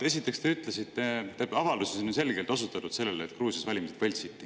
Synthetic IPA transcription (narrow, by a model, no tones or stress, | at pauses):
e̞s̬it̪ːˑe̞kst̪eyt̪ˑlesit̪ːe̞t̪ebɑvɑld̪usesonse̞lɡelt̪osut̪ːˑɑt̪ud̪se̞lːelet̪kruːsijɑsvælʲimised̪velʲsit̪ːˑi